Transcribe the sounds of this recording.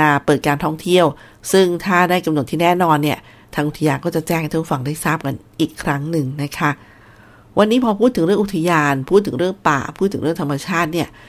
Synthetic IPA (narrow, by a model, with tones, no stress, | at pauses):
aː˧pɤː˨˩t̪̚kaː˧nt̪ʰɔ˥˩ŋt̪ʰi˥˩əw | sɯ˥˩ŋt̪ʰaː˥˩daː˥˩jka˧mn˨˩t̪ʰiː˥˩nɛː˥˩nɔː˧nːi˥˩ɐ | t̪ʰaː˧ŋʔu˨˩t̪ʰa˧jaː˧nkɔː˥˩t͡ɕa˨˩t͡ɕɛː˥˩knʰː˥˩pʰu˥˩fa˧ŋdaː˥˩jsaː˥˩p̚ka˧nʔiː˨˩kʰːɾa˦˥ŋnɯ˨˧ŋna˦˥kʰa˦˥ | wa˧nːiː˦˥pʰɔː˧pʰuː˥˩t̪ʰːɯ˩˦ɾɯ˥˩ŋʔu˨˩t̪ʰːa˧jaː˧npʰuː˥˩t̪ʰːɯ˩˦ŋɾɯ˥˩əŋpa̰ː˨˩pʰuː˥˩t̪ʰːɯ˩˦ɾɯ˥˩ə˨ŋt̪ʰa˧ma˧t͡ɕʰaː˥˩t̪̚ni˥˩ɐ